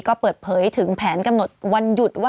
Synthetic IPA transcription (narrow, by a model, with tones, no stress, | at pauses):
kɔː˥˩pɤː˨˩t̪̚pʰɤː˩˦jt̪ʰɯ˩˦ŋpʰɛː˩˦nka˧mno˨˩t̪̚wa˧nju˨˩t̪̚waː˥